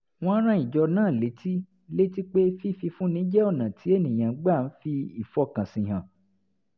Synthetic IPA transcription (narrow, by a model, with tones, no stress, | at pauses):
w̃ɔ̃˦ɾ̃ã˦i˨d͡ʒɔ˧nãː˦˨le˨˦ti˦ | le˦ti˦k͡pe˦fi˦fi˧fũ˦nĩ˨˦d͡ʒɛ˦ɔ˦˨nã˨tʰi˨˦e˦˨nĩ˨j̃ã˨˦ɡ͡ba˦˨n̩˦fi˧i˦˨fɔ˧˦kã˨sĩ˨ɦã˨